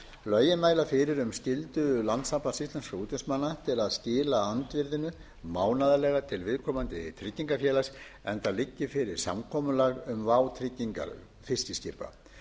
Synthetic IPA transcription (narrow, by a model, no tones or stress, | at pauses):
lœːɥjɪmaːjlafɪɾɪɾʏmscɪlt̪ʏlant̪sapansist̪lɛnskauːt̪ɛnsmanːat̪ʰɪlaðscɪːlaant̪vɪɾðɪnʏ | maːwnaðalɛːɣat̪ʰɪlvɪðkʰɔːmant̪ɪt̪ʰɾɪcːiŋkafjɛːlas | ɛnt̪alɪcːɪfɪɾɪɾ̥sa̰mkʰɔːmʏlaɣʏmvaːwt̪ʰɾɪcːiŋka̰ | fɪ̥scɪscɪɾpa̰